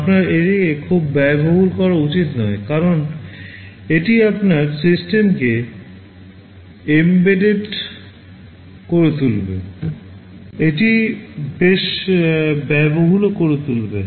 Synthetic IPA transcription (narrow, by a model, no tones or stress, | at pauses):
apnaɾeɾiekʰubːɛboɦulkɔɾaut͡ɕit̪nɔekaɾon | eʈiapnaɾsisʈemke | embeɖeɖ | koɾet̪ulbḛ | eʈibeʃ | bɛboɦulokoɾet̪ulbe